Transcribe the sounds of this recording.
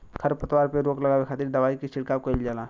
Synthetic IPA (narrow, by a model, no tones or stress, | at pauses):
kʰəɾpət̪waːɾpeɾoːklɐɡaːwekʰaːt̪iɾd̪əʋaːikisɪɽkaːkəld͡ʒaːlaː